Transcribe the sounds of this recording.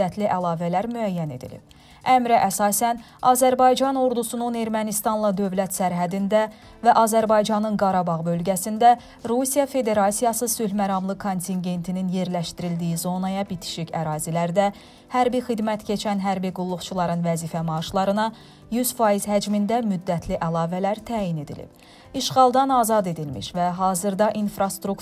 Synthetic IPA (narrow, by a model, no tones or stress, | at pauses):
æt̪ʰliʔælˠɑːvælæɾmyæjːæne̞̰d̪ḭlḭb̥̚ | ʔæmɾæʔæsɑːsæn | ɑːzæɾbɑjd͡ʒɑno̞ɾd̪usunune̞ɾmænist̪ɑnlˠɑd̪ø̞vlæt̪sæɾɦæd̪ind̪æ | væʔɑːzæɾbɑjd͡ʒɑnɯnɡɑɾɑbɑʁbø̞lɟæsind̪æ | ɾusijɑfe̞d̪e̞ɾɑsijɑsɯsylmæɾɑmlˠɯkʰo̞nt̪ʰiŋɟe̞nt̪ʰininje̞ɾlæʃt̪iɾild̪ijizo̞nɑjɑbit̪ʰi̥ʃicæɾɑːzilæɾd̪æ | hæɾbixid̪mæt̪cʰe̞t͡ʃʰænɦæɾbiɡulˠːuχt͡ʃʰulˠɑɾɯnvæziːfæmɑʃlˠɑɾɯnɑ | jyz̥fɑːiz̥hæd͡ʒmind̪æmyd̪ːæt̪ʰliʔælˠɑːvælæɾt̪ʰæːjine̞d̪ḭlḭb̥ | iʃʁɑlˠd̪ɑnɑːzɑd̪e̞d̪ilmḭʃvæɦɑːzɯɾd̪ɑʔinfɾɑst̪ɾuk